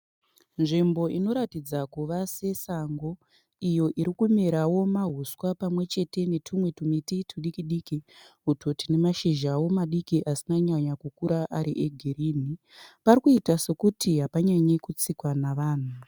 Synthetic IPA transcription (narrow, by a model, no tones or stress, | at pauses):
nʐimbo̞ino̞ɾatid͡zakuʋase̞saŋɡo̞ | ijo̞ʔiɾikumeɾawo̞maɦuswapamwe̞t͡ʃe̞te̞ne̞tʰumwe̞tumititʰuɗikiɗikiɦuto̞tine̞maʃiʒawo̞maɗikiʔasinaɲaɲakukuɾaʔaɾḭʔeɡʱiriːni | paɾikuitase̞kutiɦapaɲaɲekut͡sikwanaʋaːn̤u